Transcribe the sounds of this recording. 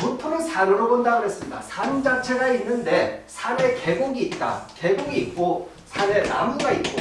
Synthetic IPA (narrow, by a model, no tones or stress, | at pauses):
putʰɯɾɯnsʰaɾɯɾobondaɡɯɾɦe̞s͈ɯmɲida̰sʰand͡ʑat͡ɕʰe̞ɡainːɯnde̞sʰaɾe̞ke̞ɡoɡiːt̚t͈a̰ke̞ɡoɡiːt̚k͈o | sʰaɾe̞na̰muɡait̚k͈o